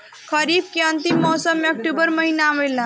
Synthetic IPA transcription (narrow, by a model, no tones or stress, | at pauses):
kʰəɾiːb̚kiənt̪imːɔsəmek̚ʈubəɾməɦinaːʋelːã